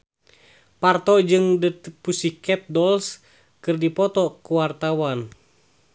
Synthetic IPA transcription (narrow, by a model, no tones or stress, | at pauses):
part̪ɔd͡ʒɨŋdət̪pusikɛt̪̚dɔls | kɨrdipɔt̪ɔkuwart̪awan